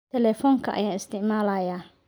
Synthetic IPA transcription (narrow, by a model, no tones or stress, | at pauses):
t̪ʰɛlɛːfɔːŋkʰɐʔɐ̰jaːɪst̪ʰɪʕmaːlajaː